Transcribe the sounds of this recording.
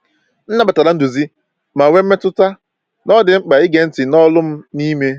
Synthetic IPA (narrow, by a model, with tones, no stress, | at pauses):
n̩˦na˦ba˨ta˨ɾa˨˦n̩˦du˨zi˦ | ma˨we˦m̩˦me˦tʊ˦ta˦ | nɔ˦dɪ˨ŋ͡m̩˦k͡pa˨i˦ɡe˨n̩˦tɪ˨nɔ˦lʊ˦m̩˦ni˦me˦